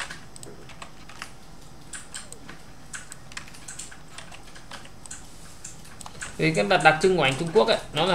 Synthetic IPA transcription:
i˨˩˦kaː˨˧˥ɓa˨˩t̚ɗa˨˩k̚t͡ɕɨ˧ŋwa̰ː˧˨ŋt͡ɕʊ˧ŋ͡mku˦˥ək̚ʔa̰ː˧˦nɔ˨˦la˨

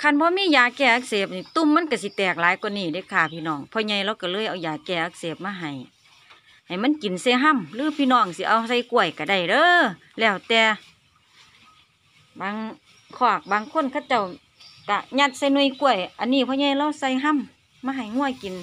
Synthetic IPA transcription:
kʰa˧˩˨nbɔː˧˦miː˧˥˨jaː˨˧˩kɛː˧˩˨ʔaː˧k̚seː˧˩p̚niː˧˩t̪u˧˥˨mːa˧˥˨nka˧˩si˧˦t̪ɛː˨˩k̚laː˨˦jkniː˧˩˨da˧˨kʰaː˧˩pʰiː˧˨nɔː˧˩ŋpʰɔː˧ɲa˧˩jla˧˨wka˧˩lɤː˧˥˨ʔa˨˧˩wjaː˨˩kɛː˧˩ʔaː˧k̚seː˨˩p̚maː˧˨ɦa˨˩j | ha˨˩jma˧˥˨nki˨nsa˧˩jɦa˧˥˨mlɯː˧˦pʰiː˧˥˨nɔː˧˩ŋsi˧˦ʔa˧˨wsa˧˩jku˧˩ə˨jka˧˩da˧˩jdɤː˧˨ | lɛː˧˩wt̪ɛː˧ | baː˧˦ŋ | kʰɔː˧˩k̚baː˧˨ŋkʰo˧˥˨nkʰa˧˥˩wt͡ɕa˧˩w | ka˧˩ɲa˧t̪̚sa˧˨jnu˧˩˨jku˧˨ə˨jʔa˨nːiː˧˨pʰɔː˧ɲa˧˨jla˧˨wsa˧˩jɦa˧˥˨mː | aː˧˩ɦa˨˩˨jŋu˧˨ə˨jki˨n

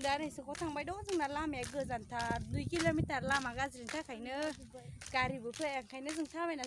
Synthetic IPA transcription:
ŋɗa˨˦ɾe˨˧˩jsɨ˨˧˨kɔ˧˦t̪ʰa˧ŋɓa˨jɗo˧˦zɨ˧˨ŋna˨˩laː˧mɛ˨ɣɨ˨˧˩za˨˩˨nt̪ʰa˨du˧˩˨ki˧lo˧mi˧t̪a˨laː˧ma˨ɣa˧zɾi˨ŋt̪ʰa˦kʰa˨˩jnə˧˦ | ka˧˨ɾi˧˩bɨ˨˦fe˧˩ʔa˨˧˩ŋkʰa˨˩jnə˧˦zɨ˧˨ŋt̪ʰaː˧˦va˧˨na˨

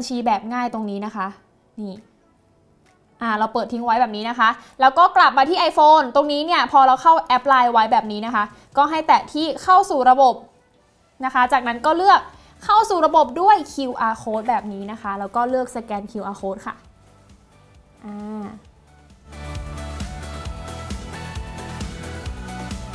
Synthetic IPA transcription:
ba˧nt͡ɕʰiː˧bɛː˨˩p̚ŋaː˥˩jt̪o˧ŋniː˦˥na˦˥kʰa˦˥ʔ | niː˥˩ | ʔaː˧˩ɾa˧wpɤː˨˩t̪ʰːi˦˥ŋwa˦jbɛː˨˩p̚niː˦˥na˦˥kʰa˦˥ʔlɛː˦˥wkɔː˥˩kla˨˩p̚maː˧t̪ʰiː˥˩ʔa˧jfoː˧nt̪o˧ŋniː˦˥ni˥˩əpʰɔː˧ɾa˧wxʰa˥˩wʔɛ˦˥p̚laː˧jwa˦˥jbɛː˨˩p̚niː˦˥na˦˥kʰa˦˥ | kɔː˥˩ɦa˥˩jt̪ɛː˨˩t̪ʰiː˥˩kʰa˥˩wsuː˨˩ɾa˧bo˨˩p̚ | na˦˥kʰa˦˥t͡ɕaː˨˩k̚na˦˥nkɔː˥˩lɯ˥˩ək̚ʰː | a˥˩wsuː˨˩ɾa˧bo˨˩p̚du˥˩əjkʰi˧wʔaː˧kʰoː˦˥t̪̚bɛː˨˩p̚niː˦˥na˦˥kʰa˦˥lɛː˦˥wkɔː˥˩lɯ˥˩ək̚sa˧kɛː˧nkʰiː˧wʔaː˧kʰoː˦˥t̪̚kʰa̰˥˩ | ʔaː˧˩

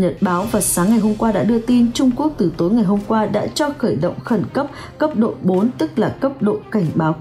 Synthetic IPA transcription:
ɲə˨˩t̚ɓaː˨˦wvaː˨˩saː˨˦ŋːa˨˩jɦo˧mkwaː˧ɗa̰ː˧˥ɗɨ˧ət̪i˧nt͡ɕʊ˧ŋ͡mku˦˥ək̚t̪ɨ˨˩t̪o˨˦jŋa˨˩jɦo˧mkwaː˧ɗa̰ː˧˥t͡ɕɔ˧xəː˧˩jɗə̰˧˨wŋ͡mxə˧˩nkə˦˥p̚ | kə˦˥p̚ɗo̰˧˨ɓo˨˦nt̪ɨ˦˥k̚laː˨˩kə˦˥p̚ɗo̰˧˨ka˧˩jŋ̟ɓaː˨˦w

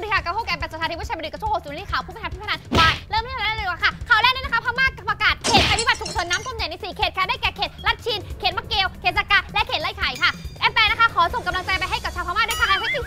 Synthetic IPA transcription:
di˧˩ka˧˩ka˧˩wʰoː˥˩ka˧˨˧pɛː˧˩st̪ʰa˧i˦˧˥m˧i˨˩ka˧˩t͡ɕʰːho˨˩si˨˩˦i˧˩aː˨˩wpʰuː˥˩pnʰa˧pʰiː˥˩˧a˧nwaː˧˩jɾɤː˥˩miː˧˥˩a˨˩kʰa˥˩kʰaː˧˩lɛː˧˥˩ni˧˥˨na˦˥ka˦˥pʰaː˧˥wmaː˥˩kːa˨˩pa˧kaː˨˩t̪̚kʰeː˨˩t̪̚kʰaː˨˧˩miː˧˩ba˨˩t̪ʰu˨˩k̚sʰo˨˩˦nːaː˦˥mt̪ʰo˧mnja˨˩˦na˧jsiː˨˩kʰeː˨˩t̪̚kʰaː˧˦daː˥˩jkɛː˨˩kʰeː˨˩t̪̚la˦˥˩t̪̚t͡ɕʰiː˧nkʰeː˨˩t̪̚ma˧˥kːeː˧wkʰeː˨˩t̪̚saː˧kaː˧˩lɛ˦˥kʰeː˨˩t̪̚la˧˩jkʰa˨˩jkʰa˥˩ʔɛ˧˥pɛː˧na˦˥kʰa˦˥kʰɔː˨˦so˨˩ŋka˧mla˧ŋt͡ɕa˧jpa˧jɦa˥˩jka˨˩t͡ɕʰaː˧pʰa˧maː˥˩du˥˩t̪ʰa˧ŋla˧˩haː˧˥˩ʔiː˨˩

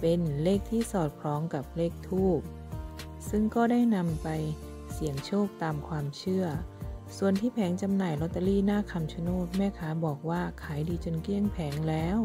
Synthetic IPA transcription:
pe˧nleː˥˩k̚t̪ʰiː˥˩sɔː˨˩t̪̚kʰlɔː˨˦˥ŋka˨˩p̚leː˥˩k̚t̪ʰuː˥˩p̚ | sɯ˥˩ŋkɔː˥˩daː˥˩jna˧mpa˧j | si˨˩˦əŋt͡ɕʰoː˥˩k̚t̪aː˧mkʰwaː˧mt͡ɕʰɯ˥˩ɐsu˨˩ənt̪ʰiː˥˩pʰɛː˩˦ŋt͡ɕa˧mnaː˨˩jlɔ˦˥t̪ːa˧liː˥˩naː˥˩kʰa˧mt͡ɕʰa˧˦noː˥˩t̪̚mɛː˥˩kʰaː˩˦˥bɔː˨˩k̚waː˥˩kʰaː˩˦jdiː˧t͡ɕo˧nki˥˩əŋpʰɛː˩˦ŋlɛː˦˥w

